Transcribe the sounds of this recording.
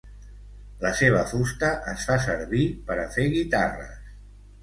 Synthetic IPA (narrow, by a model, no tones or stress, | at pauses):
ləseβ̞əfust̪əʔəsfasəɾβipəɾəfeɣit̪arə̰s